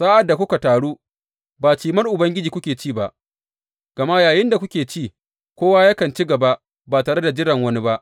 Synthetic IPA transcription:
saː˦ʔa˨dːa˨kʷʊ˦ka˨taː˨ɽuː˦ | baː˨t͡ʃiː˨mɐ˦rʔʊ˨bɐ˦ŋɡʲɪ˦d͡ʒiː˨kʷʊ˦kʲeː˨t͡ʃiː˦˨ba˦˨ʔ | ɡ̥ɐ˨ma˦jaː˨jɪ˦nda˨kʷʊ˦kʲeː˨t͡ʃiː˦˨ | kʷoː˦waː˦ja˦kɐ˨nt͡ʃi˦ɡɐ˨ba˦ʔ | baː˨taː˨ɽe˦da˨d͡ʒɪ˦ɽɐ˨ŋwɐ˦ni˦ba˦ʔ

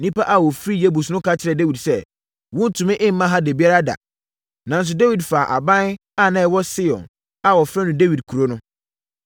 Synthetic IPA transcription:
nĩ˦pʰa˦ʔa˨wɔ˨fɾi˦je˦bu˨snʊ̃˦kʰa˦t͡ɕʰɪ˨ɾɛ˨de˦wi˨dsɛ˦ | wʊ̃˦n̩˦tʰʊ̃˨mɪ̃˦ʔɪ̃˦m̩˦mã˦ɦã˦de˨bi˦a˦ɾa˦da̰˨ | nã˨n̩˦s̬ʊ˦de˦wi˨dfaː˨ʔa̰˨bã˦n | a˦˨nã˦ɛ˨˦wɔ˦sɪ˦jɔ̰̃˨n | a˨wɔ˨fɾɛ˦nʊ̃˨de˦wi˨d̚kʰu˨ɾo˦nʊ̃˦

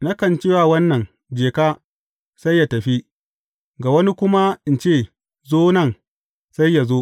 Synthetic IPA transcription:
na˦kɐ˨nt͡ʃɪː˦waː˨wɐ˦nːɐ˨ŋ | d͡ʒeː˨kaː˦ | sa˦jːa˨tɐ˨ɸi˦ | ɡa˨wɐ˦ni˦kʷʊ˦ma˦ʔɪ˨nt͡ʃeː˦˨ | zoː˦nɐ˦˨ŋ | sa˦jːa˨zoː˦

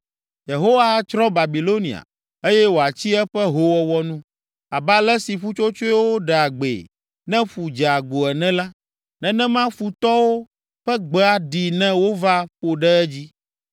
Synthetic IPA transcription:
je˨ɦo˦wa˦t͡ʃɾɔ̃˦ba˨bi˨lo˦nḭ̃˨a̰˨ | e˦jɛ˦wo˨a˨t͡ɕi˦ɛ˦ɸɛ˦ɦo˦wɔ˦wɔ˦nũ˦ | a˨ba˦lɛ˦si˨ɸu˦t͡ʃo˦t͡ʃo˦ɛ˦wo˦ɖɛ˨a˨ɡ͡bḛ˨ | nɛ̃˦ɸu˨d͡ʒɛ˨a˨ɡo˨ɛ˨nɛ̃˦la˦ | nɛ̃˦nɛ̃˦mã˦fu˨t̪ɔ˦wo˦ | ɸɛ˦ɡ͡bɛ˦a˨ɖi˨nɛ̃˦wo˦va˦ɸo˨ɖɛ˦ɛ˦d͡ʑi˦

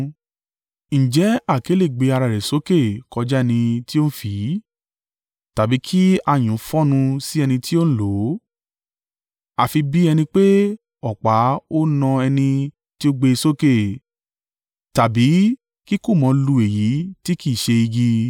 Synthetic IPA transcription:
ñ̩˨d͡ʒɛ˨˦a˦˨ke˨˦le˦˨ɡ͡be˧a˧ɾa˨ɾɛ˨so˦ke˦˨kɔ˧d͡ʒɛ˦˧nĩ˧ti˦o˦ñ̩˦fi˨˦ | ta˨bi˨˦kʰi˦a˧˨j̃ũ˨˦fɔ̃˦nũ˧si˦ɛ˧nĩ˧ti˦o˦ñ̩˦lo˨˦ | a˨fi˧bi˦ɛ˧nĩ˧k͡pe˦ | ɔ˨k͡pa˨˦o˦nɔ̃˧ɛ˧nĩ˧ | ti˦o˦ɡ͡be˧so˦ke˦˨ | ta˨bi˨˦ | ki˦ku˦˨mɔ̃˨˧lu˧e˨ji˨˦ti˦ki˦˨ʃe˧i˧ɡi˧

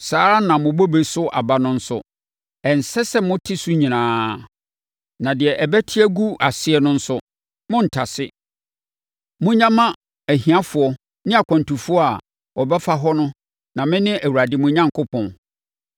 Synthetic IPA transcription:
saː˨˦ɾa˦nã˨mʊ̃˨bo˦be˦sʊ˦ʔa˨ba˦nʊ̃˦n̩˦sʊ˦ | ɛ˨n˨sɛ˦sɛ˦mʊ̃˦tʰɪ˦su˦ɲĩ˨nãː˨˦ | nã˨dɪ˨ɛ˨ʔɛ˨bæ˦tʰɪ˦æ˦ɡu˦ʔa˨sɪ˦ɛ˦nʊ̃˦n̩˦sʊ˦ | mʊ̃˦n̩˨tʰa˨sɪ˦ | mʊ̃˦ɲã˦mã˦ | æ˨ɦĩ˨ã˦fʊ˨ɔ˦ | nɪ̃˦a˨kʷʰã˨n˨tu˨fu˦ɔ˦a˨ | ɔ˨bɛ˦fa˦ɦɔ˦nʊ̃˦ | nã˨mɪ̃˦nɪ̃˦ʔæ˨wu˨ɾa˨dɪ˨mʊ̃˦ɲã˦ŋkʰʊ˦pʰɔ̃˨n

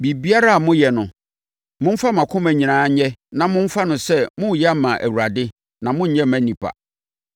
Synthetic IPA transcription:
bi˨bi˦a˦ɾa˦a˨mʊ̃˦jɛ˨nʊ̃˨ | mʊ̃˦m̩˦fa˦mã˨kʰʊ̃˦mæ̃˨ɲĩ˨nãː˨˦ɲɛ˦nã˨mʊ̃˦m̩˦fa˦nʊ̃˨sɛ˦mʊ̃˦˨jɛ˦a˦mã˨ʔæ̰˨wu˨ɾa˨dɪ˦ | nã˨mʊ̃˦ɲ̩˦ɲɛ̃˦mæ̃˨nĩ˨pʰa̰˨

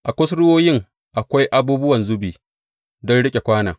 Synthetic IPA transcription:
ʔa˨kʷʊ˦sɽʊ˦woː˦jɪ˦ŋ | ʔa˨kʷa˦jʔa˨buː˦bʊ˦wɐ˨nzʊ˦biː˨ | dɔ˦nɽɪ˦kʲʼe˨kʷaː˦na̰ː˨

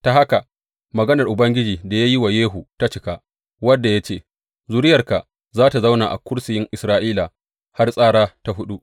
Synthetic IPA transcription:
ta˨ɦa˦ka˨ | mɐ˨ɡɐ˦nɐ˨rʔʊ˨bɐ˦ŋɡʲɪ˦d͡ʒiː˨da˨ja˦ji˦wa˨jeː˦ɦu˨ta˦t͡ʃɪ˨˦ka˦ | wɐ˦dːa˨ja˦t͡ʃeː˦˨ | zu˦ɾɪ˦jɐ˨rka˨ʔ | zaː˦ta˨za˦wna˨ʔa̰˨kʷʊ˦ɽsɪ˨jɪ˦ŋʔɪ˨sɾaː˦ʔiː˦la˨ | ha˦rsʼaː˦ɽaː˦ta˦ɦʊ˦ɗu˦ʔ

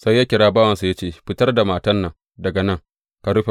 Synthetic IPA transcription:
sa˦jːaː˦kʲɪ˨ɽaː˦baː˦wɐ˨nsa˨ja˦t͡ʃeː˦˨ɸɪ˦tɐ˦rda˨maː˨tɐ˦nːɐ˨ŋ | dɐ˨ɡɐ˨nɐ˦ŋ | ka˨ɽʊ˦ɸe˨

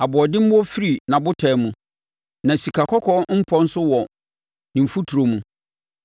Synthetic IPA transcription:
a˨bʊ˨ɔ˨dɪ˦m̩˦bɔ˦fi˦ɾi˨nã˨bʊ˦tʰɛ˨˦mũ˨ | nã˨si˨kʰa˨kʰɔ˦kʰɔ˦m̩˦pʰɔ˦n̩˦sʊ˦wɔ˨ | nɪ̃˨fu˦tʰu˨ɾo˨mũ˨

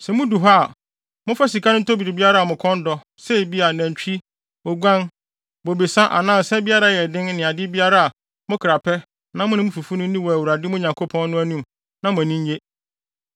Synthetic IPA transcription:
sɛ˨mʊ̃˦du˨ɦa˦˨ | mʊ̃˦fa˦si˨kʰa˦nʊ̃˦tʰo˦bi˨ɾi˨bi˦a˦ɾa˦a˨mʊ̃˨kʰɔ̃˦ndɔ˦ | sɛ˦˨bi˦a˨næ̃˨ɲ˨t͡ɕᶣi˦ | ɔ˨ɡʷã˦n | bɔ˨be˨sã˦ʔa̰˨nãː˦˨sɛ˦bi˦a˦ɾa˦jɛ˨dɪ̃˦nnɪ̃˨a˨dɪ˦bi˦a˦ɾa˦a˨ | mʊ̃˦kʰɾa˨pʰɛ˦ | nã˦mʊ̃˦nɪ̃˦mʊ̃˦fu˨fu˦nʊ̃˦n̩˦nĩ˦wɔ˨æ˨wu˨ɾa˨dɪ˦mʊ̃˦ɲã˨ŋkʰo˦pʰɔ̃˦nːʊ̃˦æ˦nũ˦m | nã˦mʊ̃˨æ˨nĩ˦ɲ˦je˦

